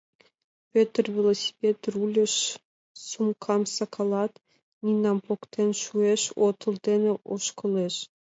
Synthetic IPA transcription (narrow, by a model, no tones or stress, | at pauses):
pʲøt̪rvʲelˠosʲi̥pʲet̪rulʲɘ̆ʃ | sumkʰɑmsɑkʰolˠɑt̪ | nʲinɑmpokt̪enʃueʃot̪ʰɤ̆lˠd̪eneʔoʃkɤ̆lˠeʃ